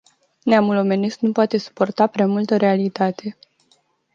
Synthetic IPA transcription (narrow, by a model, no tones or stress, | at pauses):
neamulo̞me̞nest̪nupoat̪e̞su̥po̞rt̪apɾeamult̪əɾe̞alit̪at̪ʰe̞